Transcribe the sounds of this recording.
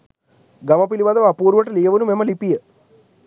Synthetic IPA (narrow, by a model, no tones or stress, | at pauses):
ɡɐmɐpiliʋaːd̪ɐʋapuːɾʋɐʈ̬ːɐlijɐʋɐnumemːɐlipːijɐ